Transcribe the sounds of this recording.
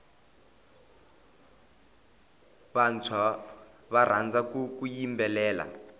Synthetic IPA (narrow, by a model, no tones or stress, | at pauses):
βant͡sʰa | βar̤and͡zakukujimbɛlɛːla̰